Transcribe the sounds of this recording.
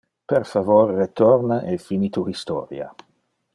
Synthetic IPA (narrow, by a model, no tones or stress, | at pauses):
perfavorːet̪ɔrnaʔefinit̪uhist̪ɔ̰ːɾja̰